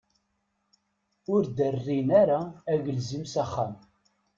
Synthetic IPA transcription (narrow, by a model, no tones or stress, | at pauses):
ʊɾd̪ərːinæɾaːʝəlzimsæχːæ̰m